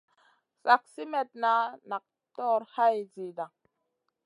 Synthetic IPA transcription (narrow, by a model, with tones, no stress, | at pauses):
sa˨k̚si˦mɛ˨t̚na˦na˨k̚ | tɔ˦ɾha˦jzi˨da˨